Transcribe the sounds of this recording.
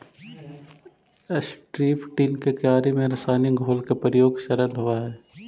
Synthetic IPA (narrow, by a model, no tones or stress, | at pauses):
əsʈɾiːpʈinkekjaːɾemẽɾɐsaːniɡʱoːlkepɾəjoːɡʃɐɾənɦoaɦɛː